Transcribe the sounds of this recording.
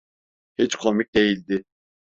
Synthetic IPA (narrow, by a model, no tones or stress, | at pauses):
hit͡ʃkʰomic̚d̪e̞jilʲd̪ɪ